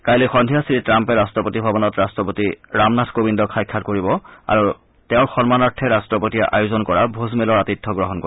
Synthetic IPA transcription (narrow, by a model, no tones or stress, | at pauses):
kajlexɔndʱijasiitɹampɛɹastɹɔpotibʱabɔnɔtɹastɹɔpotiɹamnatʰkobindɔkʰajkʰːatkoɹibɔa̰ɹu | tɛʊ̃ɹxɔnmanaɹtʰɛɹastɹɔpotijaʔa̰juzɔnkɔɹabʱozmelɔɹatitʰːɔɡɹɔɦɔnko